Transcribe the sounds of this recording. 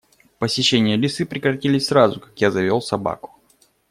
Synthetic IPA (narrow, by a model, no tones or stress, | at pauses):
pəsʲɪɕːenʲɪjəlʲɪsɨpɾʲɪkɾɐtʲilʲɪsʲsɾazʊkakjazɐvʲolˠsɐba̰kʊ̥